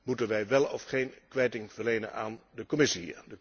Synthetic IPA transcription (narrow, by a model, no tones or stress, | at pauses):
mutənʋɛjʋɛlˠɔfχejnkʋɛjtɪŋv̥ərlejnə̰na̰ːndəkɔmɪsidə